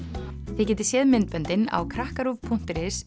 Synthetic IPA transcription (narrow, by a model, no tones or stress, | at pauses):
θɪcɛːt̪ɪ̥sjɛːðmɪnt̪̚pœnt̪ɪna̰wkʰɾahkaɾuvpʰun̥t̪ɪɾɪs